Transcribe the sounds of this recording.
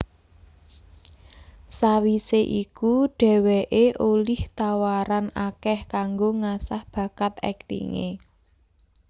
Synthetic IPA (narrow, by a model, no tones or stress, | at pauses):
sawiseʔikuɖ̥ɛ̤weʔeʔolɪht̪awaɾanakɛhkaŋɡoŋasahb̥ä̤kat̪ɛ̰k̚t̪ḭŋḛ